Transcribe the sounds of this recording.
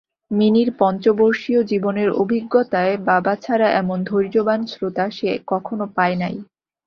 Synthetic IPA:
miniɾpɔnt͡ɕoboɾʃiod͡ʑiboneɾo̰bʱiɡːot̪aebabat͡ɕʰaɾaʔɛmond̪ʱoɾd͡ʑobansɾot̪aʃekɔkʰonopaenaj

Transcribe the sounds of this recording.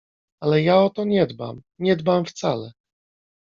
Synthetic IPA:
alɛjaɔt̪ɔɲɛd̪ba̰m | ɲɛd̪bamft̪salɛ

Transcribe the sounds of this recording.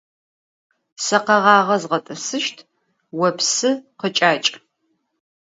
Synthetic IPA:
sɐqɐʁɑːʁɐzʁɐtʼɨsɨʃtʰ | wɐpsɨqət͡ʃʼaːt͡ʃʼ

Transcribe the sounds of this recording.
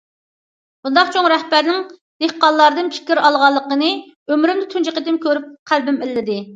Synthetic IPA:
b̥und̪ɑqt͡ʃʰoŋɾɛhbæɾnɪŋ | d̪̥ehqɑllˠːɑɾd̪ɨnpʰɪ̥kʲiɾɑlˠʁɑlˠːəqənɨ | ømɾymd̪ɪt̪ʰynd͡ʒiqət̪ɪmkʲʰøɾyp̚qʰælbɪmɪlːɪd̪ɪ

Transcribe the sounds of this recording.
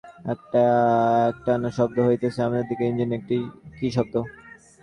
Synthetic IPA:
ɛk̚ʈaɛk̚ʈanoʃɔb̚d̪oɦojt̪et͡ɕʰeamad͡ʑad̪ikeind͡ʑinek̚ʈikiʃɔb̚t̪o

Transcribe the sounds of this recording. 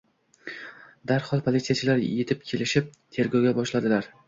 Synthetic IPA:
d̪aɾhɒlˠpʰolˠit̪sijat͡ʃʰɪlaɾje̞t̪ʰɪp̚kʲʰe̞lɪʃɪp̚t̪ʰe̞ɾɡʲɒwɡʲabɒʃlad̪ɪlaɾ

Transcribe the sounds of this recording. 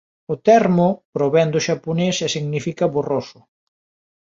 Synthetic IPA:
ʊt̪ɛɾmʊpɾoβɛnd̪ʊʃaponesɛsiɣnifikɐβorosʊ̥

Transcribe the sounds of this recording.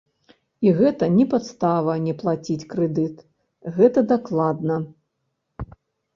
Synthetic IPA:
iɣɛt̪ɐnʲɛpat̪st̪avɐnʲɛplˠat͡sʲit͡sʲkɾɛd̪ɨt̪ | ɣɛt̪ɐd̪aklˠad̪nɐ

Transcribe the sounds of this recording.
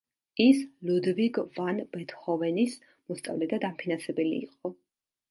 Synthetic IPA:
islud̪viɡvanbɛt̪ʰχɔvɛnis | mɔst̪sʼa̰vlɛd̪ad̪ampʰinansɛbɛlḭːqʼɔ

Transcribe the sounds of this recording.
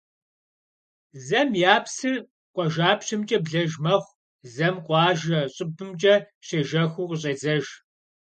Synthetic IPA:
zɐmjaːpʰsɨr | qʷʼɔʒaːpɕɨmt͡ʃʼɐbɮɐʒmɐχʷ | zɐmqʷʼɑːʒɐɕʼɪbɨmt͡ʃʼɐ | ɕeːʒɐxʷuːqɕ̬ʼezɐʒ

